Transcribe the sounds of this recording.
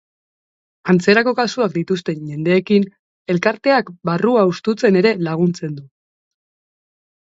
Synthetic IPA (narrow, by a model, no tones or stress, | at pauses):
ant͡se̞ɾako̞kasuakd̪it̪ust̪e̞ɲʝe̞nd̪e̞ːkin | e̞lkaɾt̪e̞akbaruaust̪ut͡se̞ne̞ɾe̞laɣ̞unt͡se̞nd̪u